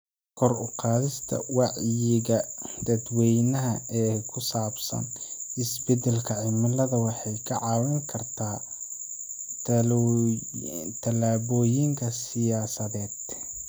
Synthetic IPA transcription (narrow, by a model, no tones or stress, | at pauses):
kʰɔrʊqɑːðɪst̪ʰɐ̰wɑʕjɪɣɐd̪̥ɐd̪wɛjnɐɦɐɛːkʰʊsaːbsɐ̰nʔɪsbɛd̪ɛlkʰɐʕɪmɪlɐðɐwɑħɑjkʰɐʕɑːwɪŋkʰɐrt̪ʰaː | t̪ʰɐlaːβɔːjɪŋkʰɐsɪjaːsɐðɛːd̪